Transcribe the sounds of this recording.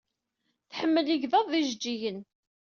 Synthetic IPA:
θħəmːəliʝðəðˤːiʒd͡ʒːijən

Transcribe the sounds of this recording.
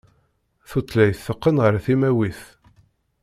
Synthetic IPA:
θut͡s̪ːlæjθːəqːənʁəɾθimæwiθ

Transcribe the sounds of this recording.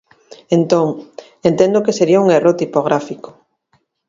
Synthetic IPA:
ent̪oŋ | ent̪ẽnd̪ʊkeseɾiauŋerot̪ipoɣɾʔafiko̥

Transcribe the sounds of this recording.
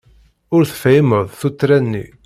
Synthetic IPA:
ʊɾθə̥fæjməðˤθut̪ːɾænːḭ

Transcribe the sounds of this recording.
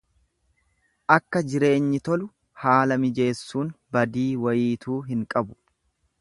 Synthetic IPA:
ʔɐkːɐd͡ʒɪɾe̞ːɲːɪt̪ɔlʊ | haːlɐmɪd͡ʒe̞ːsːuːnbɐd̪iːwɐjiːt̪uːɦɪŋkʼɐbʊ̥

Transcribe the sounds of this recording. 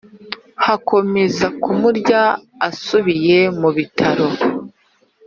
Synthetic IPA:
hako̞me̞zakumuɾɟa | asuβije̞muβitʰaɾo̞

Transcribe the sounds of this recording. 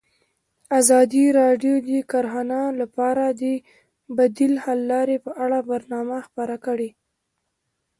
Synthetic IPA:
azɑd̪iɾɑɖjod̪əkaɾxɑnalapɑɾad̪ə | bad̪ilhalːɑɾepəʔaɽabaɾnɑmaxpəɾakəɽe

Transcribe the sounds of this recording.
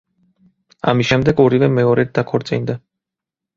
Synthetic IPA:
a̰misʃɛmd̪ɛɡɔɾivɛmɛɔɾɛd̪̚akʰɔɾt̪sʼḭnd̪a

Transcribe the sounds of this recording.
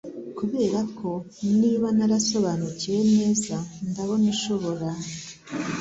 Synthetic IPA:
kuβe̞ːɾakʰo̞ | niːβanaɾaso̞βanucije̞ne̞ːzandaβo̞niʃo̞βo̞ɾa

